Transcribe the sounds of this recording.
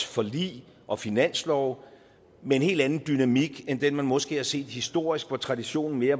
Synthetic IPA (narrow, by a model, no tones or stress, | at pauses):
fɒ̽lḭː | ʔɒ̽finæn̰slɒʊ | mee̝nhe̝̰ld̥ænn̩d̥ynæmiɡ̥end̥enmænmɒ̽sɡ̥e̝̰ːhɑ̈se̝̰ːd̥hisd̥o̝ɐ̰isɡ̥ʋɒt͡sʰʁɑ̈d̥iɕo̝̰ːnn̩me̝ːɐ